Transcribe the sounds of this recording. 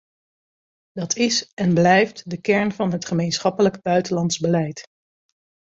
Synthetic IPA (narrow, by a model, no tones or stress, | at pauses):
dɑtʰɪsɛnblɛjftdəkɛɹnvɑnɦətχəmejnsχɑpələɡb̥œɥtəlɑntzbəlɛjt